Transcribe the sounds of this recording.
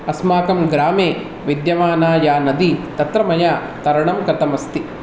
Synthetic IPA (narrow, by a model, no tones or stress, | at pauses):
ɐsmaːkɐmɡɾaːmeː | ʋid̪jɐʋaːnaːjaːnɐd̪it̪ɐt̪ɾɐmɐjaː | t̪ɐɾɐɳɐmkɾɐt̪ɐmɐst̪i